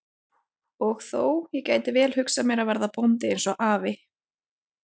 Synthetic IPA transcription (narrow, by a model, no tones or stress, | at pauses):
ɔɣθowjɛcaːjt̪ɪvɛːlhʏksamjɛɾavɛɾðapownt̪ɪejnsɔʔaːvɪ